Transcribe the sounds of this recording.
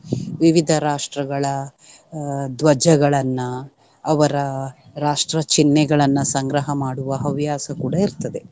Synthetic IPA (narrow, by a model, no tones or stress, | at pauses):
ʋiʋid̪ʱɐɾaːʂʈɾɐɡɐɭɐ | d̪ʋɐd͡ʒɐɡɐɭɐnːɐː | ʋɐɾɐɾaːʂʈɾɐt͡ʃinːɛɡɐɭɐnːɐsɐŋɡɾɐɦɐmaːɽuʋɐɦɐʋjaːsɐkuːɽɐiɾt̪ɐd̪e̞